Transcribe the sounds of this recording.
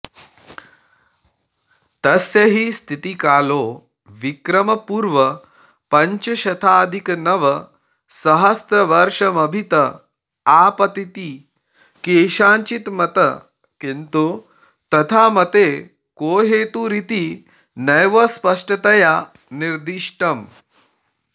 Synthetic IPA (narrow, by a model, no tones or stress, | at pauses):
t̪ɐsjɐɦiːst̪ʰit̪ikaːloː | ʋikɾɐmɐpuːɾʋə | pɐɲt͡ɕəɕɐt̪ʰaːd̪ʱiknɐʋə | sɐɦɐst̪ɾəʋɐɾʂɐmɐbʱit̪ə | apɐt̪it̪i | keːʃãːɲt͡ɕit̪mɐt̪ə | kint̪u | t̪ɐt̪ʰamɐt̪e | koːɦet̪uːɾit̪iː | nɐjʋəspɐʂʈət̪ɐja | niɾd̪iʂʈɐm